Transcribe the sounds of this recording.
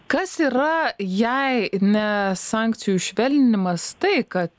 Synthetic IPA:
kɐsiːɾɐjɛɪnʲɛsɑˑŋkt͡s̪ʲɪjuʃʲʋʲɛlʲnʲɪmɐst̪ɐɪkɐt̪

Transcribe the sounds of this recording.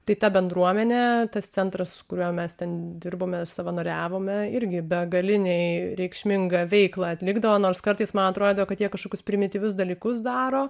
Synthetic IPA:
t̪ɐɪt̪ɐbʲɛnd̪ɾuɔmʲɛnʲɛt̪ɐst͡s̪ʲɛnt̪ɾɐsʊkʊɾʲuːmʲɛst̪ʲɛnd̪ʲɪrboːmʲɛsɐʋɐnoːɾʲæːʋoːmʲɛɪɾʲɡʲɪbʲɛɡɐlʲɪnʲɛɪɾʲɛɪkʃʲmʲɪŋɡɐʋʲɛɪklˠɐɐt̪ʲlʲɪɡd̪ɐʋoːnoːrskɐɾt̪ɨɪsmɐnɐt̪ɾoːd̪ʲejoːkɐt̪jiɛkːɐʃkoːkʲʊspʲɾʲɪmʲɪt̪ʲiːʋʲʊsd̪ɐlʲiːkʊs̬d̪ɑːɾoː

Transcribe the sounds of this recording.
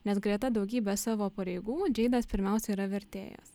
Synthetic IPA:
nʲɛsɡɾʲiɛt̪ɐd̪ɒʊɡʲiːbʲɛsɑːʋoːpɐɾʲɛɪɡuːd͡ʒʲɛɪd̪ɐspʲɪɾʲmʲɛˑʊsʲɛiːɾɐʋʲɛɾʲt̪ʲḛːjɛ̰s

